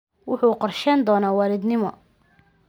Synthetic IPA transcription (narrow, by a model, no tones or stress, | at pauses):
wʊħuːqɔrʃɛnd̪ɔːnaːwɑɾɪd̪nɪmɔ̰